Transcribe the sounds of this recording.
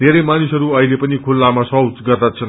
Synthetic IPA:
neɾʌjmanisʌɾuʌɦilepʌnikʰulːamasʌwt͡sɡʌrd̪at͡sʰʌn

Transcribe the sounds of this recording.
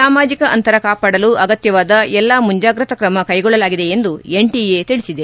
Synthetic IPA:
saːmaːd͡ʒikɐʔɐnt̪ɐɾɐkaːpaːɽɐluʔɐɡɐt̪jɐʋaːd̪ɐɛlːɐmuɲd͡ʒaːɡɾɐt̪ɐkɾɐmɐkɐjɡɔɭːɐlaːɡid̪e̞end̪ueɳʈiet̪iɭisid̪e

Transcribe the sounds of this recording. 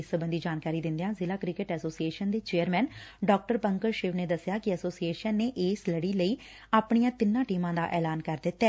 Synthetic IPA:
sbənd̪iːd͡ʒaːnkaːɾiːd̪ɪ̃nd̪ejãːzɪlaːkɾɪkɪʈɛːsoːsieːʃənd̪eːt͡ʃeːəɾmɛ̃ːnɖɔːk̚ʈəɾpəŋkəɾʃɪːʋneːd̪əsːjaːkɪəsoːsieːʃənːeːʔeːsləɽiːləiː | aːpɳ̃ijãːt̪ɪnːãːʈiːmãːd̪aːʔɛːlaːnkəɾd̪ɪt̪ːɛː

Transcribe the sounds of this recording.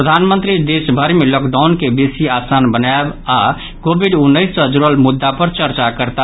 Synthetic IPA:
ɾəd̪ʱanmənt̪ɾid̪esbʱəɾimeləkd̪aʊnkebesiasanbənaeba | ɡobiɖunːəɪsːə̃d͡ʒuɾəlmud̪ːapəɾt͡ʃəɾt͡ʃakəɾt̪a

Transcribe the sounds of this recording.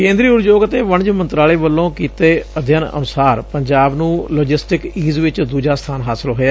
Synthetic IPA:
kẽːnd̪ɾiːʊɾd͡ʒoːɡət̪eːʋəɳd͡ʒmənt̪ɾaːleːʋəlːõːkiːt̪eːəd̪ʱjənə̰nʊsaːɾpəɲd͡ʒaːbnũːloːd͡ʒɪsʈɪkiːzʋɪt͡ʃd̪uːd͡ʒaːst̪ʰaːnɦaːsɪlɦoːaː

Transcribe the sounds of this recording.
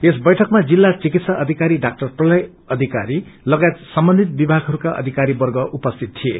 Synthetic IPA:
esbʌjʈʰʌkmad͡zilːat͡sikit̪saʔʌd̪ʱikaɾiɖak̚ʈʌrprʌlʌj | ʌd̪ʱikaɾilʌɡajet̪sʌmbʌnd̪ʱit̪̚bibʱaɡʱɦʌɾukaʔʌ̰d̪ʱikaɾibʌrɡʌʔupʌst̪ʰit̪̚t̪ːʰiḛ

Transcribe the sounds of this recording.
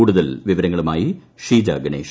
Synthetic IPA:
uːɽuðɐlʋiʋɐɾɐŋːɐɭumaːji | ʂiːd͡ʑa̰ɡɐɳeːʂ

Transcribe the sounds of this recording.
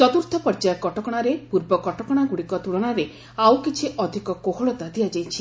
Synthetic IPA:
t͡ʃɔt̪uɾt̪ʰɔpɔɾd͡ʒajkɔʈɔkɔɽ̃aɾepuɾbɔkɔʈɔkɔɽ̃aɡuɽikɔt̪uɽɔɽ̃aɾe | awkit͡ʃʰiʔɔd̪ʱikɔkoɦoɭɔt̪ad̪iad͡ʒajt͡ʃʰi

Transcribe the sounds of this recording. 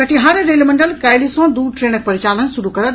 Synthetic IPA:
ɐʈiɦaɾɾeːlmɐ̃ɳɖəlkaːɪlisɔ̃ːd̪uːɖʈɾeːɽ̃ək̚pɐɾɪt͡ɕaːlənsʊɾukɐɾə

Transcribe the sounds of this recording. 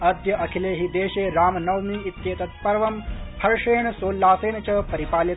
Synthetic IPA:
ɐd̪jɐʔɐkʰileːɦiːd̪eːɕeːɾaːmnɐʋmiːit̪jeːt̪ɐt̪pɐɾʋɐmhʰɐɾʂeːɳsoːlːaːseːnt͡ɕɐpɐɾipaːli

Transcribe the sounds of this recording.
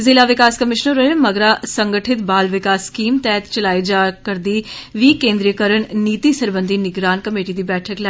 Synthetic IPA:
zɪlaːʋɪkaːskəmɪʃnəɾəməɡɾaːsəŋɡəʈʰɪt̪baːlʋɪkaːskiːmt̪ɛːt̪t͡ʃəlaːid͡ʒaːkəɾd̪iːʋiːkẽːnd̪ɾijəkəɾəɳniːt̪iːsəɾbənd̪iːnɪɡɾaːnkəmeːʈiːd̪iːbɛːʈʰəklɛ

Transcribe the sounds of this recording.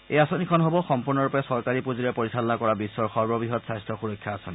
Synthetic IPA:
ejasonikʰɔnɦobɔxɔmpuɹnɔɹupjasɔɹkaɹipuzuɹɛpoɹisalɔnakɔɹabisːɔɹxɔɹbɔbiɦɔtsajstɹɔxuɹɔkʰːjaːsɔni

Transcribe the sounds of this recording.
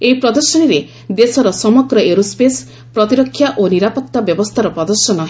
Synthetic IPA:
epɾɔd̪ɔɾsɔniɾe | d̪esɔɾɔsɔmɔɡɾɔeɾuspes | pɾɔt̪iɾɔkʰːjaʔoniɾapɔk̚t̪abjɔbɔst̪ʰaɾɔpɾɔd̪ɔɾsɔnɔɦ

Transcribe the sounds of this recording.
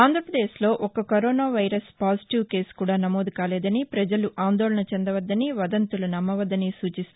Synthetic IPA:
aːnd̪ʱɾɐpɾɐd̪e̞ːslo̞ːʔɔkɐkɐɾoːnaːʋɐjɾɐspaːsi̥ʈiʋke̞ːskuːɽaːnɐmo̞ːd̪ukaːlɛːd̪ɐnipɾɐd͡ʒɐluʔaːnd̪ɔːɭɐɳɐt͡ʃɛnd̪ɐʋɐd̪ːɐniʋɐd̪ɐnt̪ulunɐmːɐʋɐd̪ːɐnisuːt͡ʃist̪

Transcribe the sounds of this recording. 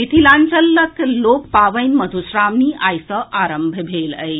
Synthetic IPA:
it̪ʰilant͡ʃəlːəklokpaʋəjnməd̪ʱusɾamniʔajsəʔaɾəmbʱəbʱeləj

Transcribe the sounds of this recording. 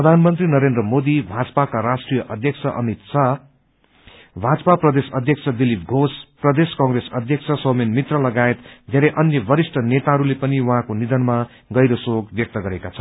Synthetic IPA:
rʌd̪ʱanmʌnt̪rinʌɾend̪rʌmod̪ibʱad͡zʌpakaɾasʈrijʌʔʌd̪ʱjʌkt͡sʰʌʔʌ̰mit̪sʰʌ | bʱad͡zʌpaprʌd̪esʌd̪ʱjʌk̚t͡sʰʌd̪ilipɡʱosprʌd̪eskãŋɡresʌ̰d̪ʱjʌk̚t͡sʰʌsʌmenmit̪rʌlʌɡaet̪d̪ʱeɾʌjʔʌnjʌbʌɾisʈʰʌnet̪aɦʌɾulepʌniwuɦãkonid̪ʌnma | ɡʌjɾʌsoɡbjʌk̚t̪ʌɡʌɾekat͡sʰʌ

